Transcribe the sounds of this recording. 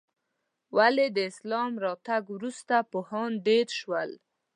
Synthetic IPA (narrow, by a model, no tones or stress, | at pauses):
waled̪əɪslɑmɾɑt̪aɡwɾust̪apohɑnɖeɾʃwəl